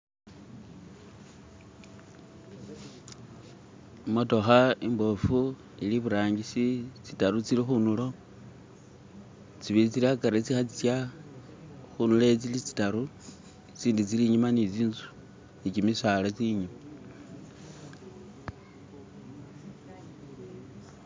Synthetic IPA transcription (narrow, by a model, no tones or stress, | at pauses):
motoxaimbofu | iliβuɾaːŋɡisit͡sitaɾut͡silixunulo̞ | t͡siβit͡silakaɾet͡sixat͡sit͡sja | xunulet͡silit͡si̥taɾu | t͡siːndit͡siliɲumanit͡siːnt͡su̥ | nikimisalat͡siɲuma